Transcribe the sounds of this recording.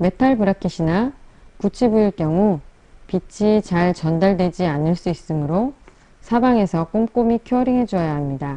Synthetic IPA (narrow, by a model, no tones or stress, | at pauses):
me̞tʰaɭbuɾakʰiɕʰinakut͡ɕʰibuiɭk͈jʌŋu | pit͡ɕʰit͡ɕaɭt͡ɕʌndaɭdwe̞d͡ʑianɯɭs͈uis͈ɯmɯɾo | sʰabaŋe̞sʰʌk͈omk͈omikʰoʌɾiŋɦe̞d͡ʑuʌjaɦamɲida